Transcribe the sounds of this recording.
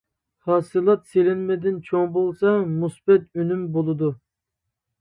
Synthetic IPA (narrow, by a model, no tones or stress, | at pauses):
hɑːsɨlˠɑt̪selɪnmɛd̪ɪnt͡ʃʰoŋbolˠsɑmusbɛt̪ynymbolˠɨd̪u